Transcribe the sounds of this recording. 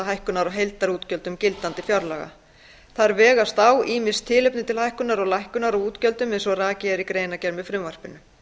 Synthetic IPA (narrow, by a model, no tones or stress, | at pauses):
aɦajhkʏnaɾɔɦejlt̪aɾuːt̪cœlt̪ʏmcɪlt̪ant̪ɪfjɔwɾlaɣa̰ | θaðɾvɛːɣast̪awiːmɪ̥st̪ʰːɪːlʏpnɪt̪ʰɪlhajhkʏnaɾɔɣlajhkʏnaɾɔɣuːt̪cœlt̪ʏmensɔɣraːcɪaɾikɾeːjnacɛɾmɪfɾʏmvar̥pɪnːʏ